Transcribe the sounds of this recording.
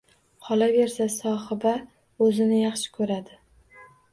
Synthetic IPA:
qʰɒlˠave̞ɾsasɒhɪba | ɵzɪnɪjɑχʃɪ̥kʰɵɾad̪ɪ

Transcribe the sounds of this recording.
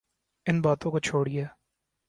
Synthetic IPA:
ɪnbaːt̪õkot͡ʃʰoːɽiaː

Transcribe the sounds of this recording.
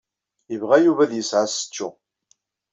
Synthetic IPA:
jəvʁæjuvæðjəsʕasə̥t͡ʃːu

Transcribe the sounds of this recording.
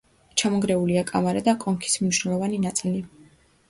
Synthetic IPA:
t͡ʃʰamɔɡɾɛuliakʼamaɾad̪akʼɔŋkʰi̥smniʃnɛlˠɔvaninat̪sʼili

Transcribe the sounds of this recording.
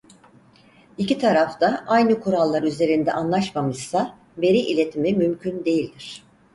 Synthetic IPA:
icit̪ʰaɾaft̪aʔajnɯkʰuɾalˠːaɾyze̞ɾind̪ɛ̰ʔanlˠaʃmamɯz̥sa | be̞ɾiʔilʲe̞t̪ʰimimymcʰynd̪e̞jilʲd̪iɾ̝̥

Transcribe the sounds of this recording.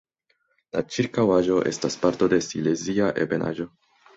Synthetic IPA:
lat͡ʃiɾkawaʒo̞ʔe̞̰staspaɾto̞de̞sile̞ziaʔe̞̰be̞na̰ʒo̞

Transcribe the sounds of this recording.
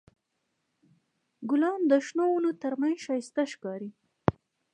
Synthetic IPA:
ɡʊlɑnd̪əʃnowulot̪əɾmanʃɑjɪst̪aʃkɑɾi

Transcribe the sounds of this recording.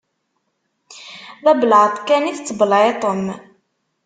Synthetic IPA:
ðæblʕt̪ˤkːæniθt͡sːbəlʕet̪ˤəm

